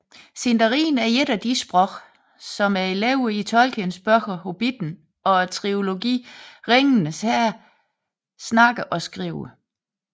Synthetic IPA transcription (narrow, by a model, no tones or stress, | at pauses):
send̥ɐʁḭːn̩æɐeɾæd̥isb̥ʁɔɡ̥ | sɒ̽mæɐeleʊit͡sʰɒ̽lɡ̥ʰənsb̥ɒɡ̥ɐho̝b̥id̥n̩ | ɒ̽æt͡sʰʁio̝lo̝ɡḭːʁeŋnəshæɐ | snɑ̈ɡ̥əʔɒ̽sɡ̥ʁiːʊə